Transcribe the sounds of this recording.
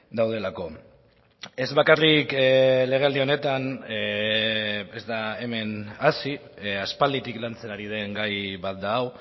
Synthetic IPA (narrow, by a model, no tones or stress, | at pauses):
d̪awð̞e̞lako̞ | e̞zβakarikle̞ɣe̞ald̪io̞ne̞t̪an | e̞zd̪ae̞me̞nasi | aspald̪it̪iklant͡se̞naɾið̞e̞ŋɡajβat̪̚d̪aːw